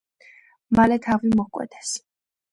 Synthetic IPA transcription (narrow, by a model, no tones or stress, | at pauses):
malɛt̪ʰavimɔkʼwɛ̰t̪ʰɛ̥s